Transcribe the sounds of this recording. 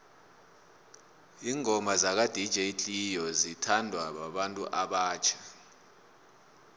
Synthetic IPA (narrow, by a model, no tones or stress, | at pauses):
iːŋʱɔmazak̬ad̥ʱid̥ʒ̥ʱet͡ɬʼijɔzitʰandʱwaɓaɓantʼṵʔaɓaːt͡ʃʰḁ